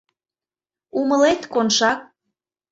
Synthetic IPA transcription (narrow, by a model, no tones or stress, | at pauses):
uməlet̪konʃɑk̚